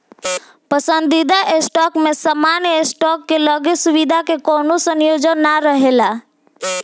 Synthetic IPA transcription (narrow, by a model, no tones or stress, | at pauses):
pəsənd̪id̪aʔesʈɔkmesəmanjesʈɔkːeləɡesuβid̪ʱakekonosənjod͡ʒənːaɾəɦela